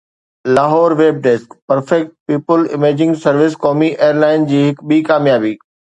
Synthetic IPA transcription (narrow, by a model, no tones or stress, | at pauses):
laːɦɔːɾʋeːb̚ɖeːskpɐɾfɛk̚ʈ̚piːpəlɪ̰meːd͡ʑɪ̃ŋɡsɐɾʋɪskɔːmiʔeːəɾlaːɪnd͡ʑiːɦɪkɓiːkaːmjaːbiː